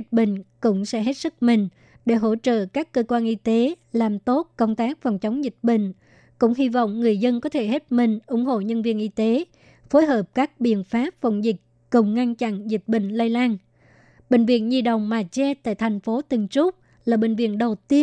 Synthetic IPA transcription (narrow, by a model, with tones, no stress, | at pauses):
t̚ɓḭ̈˧˨ŋ̟kʊ̰˧˥ŋ͡msɛ̰˧˥ɦe˦˥t̚sɨ˦˥k̚mï˨˩ŋ̟ | ɗe˧˩ɦo̰˧˥t͡ɕə̰ː˧˨kaː˦˥kːəː˧kwaː˧nʔi˧t̪e˨˦ | laː˨˩mt̪o˦˥t̚kə˧wŋ͡mt̪aː˦˥k̚fa˨˩wŋ͡mt͡ɕə˨˦wŋ͡mzi˨˩t̚ɓḭ̈˧˨ŋ̟ | kʊ̰˧˥ŋ͡mhi˧vɔ̰˧˨wŋ͡mŋɨ˨˩əjzə˧nkɔ˨˦t̪ʰe˧˩ɦe˦˥t̚mï˨˩ŋ̟ʔʊ˧˩ŋ͡mɦo̰˧˨ɲə˧nvi˧ənʔi˧t̪e˨˦ | fo˨˦jɦəː˨˩p̚kaː˦˥k̚ɓḭ˧˨ənfaː˦˥p̚fə̰˧˩wŋ͡mzi˨˩k | kə˨˩wŋ͡mŋa˧nt͡ɕa̰˧˨nzi˨˩t̚ɓï˧˨ŋ̟laː˧jlaː˧n | ɓï˧˨˩ŋ̟vḭ˧˨ənzi˨˩ɗə˨˩wŋ͡mmaː˨˩t͡ɕɛ˧t̪a̰ː˧˨jt̪ʰɛ˨˩jŋ̟fo˨˦t̪ɨ˨˩ŋt͡ɕʊ˦˥k͡p̚ | laː˨˩ɓï˨˩ŋ̟vḭ˧˨ənɗə˨˩wt̪i˧ə